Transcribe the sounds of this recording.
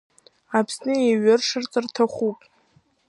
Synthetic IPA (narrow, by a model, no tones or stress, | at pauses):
apʰsnɨjaɥɪrʂɨrt͡sʼartʰaχʷupʼ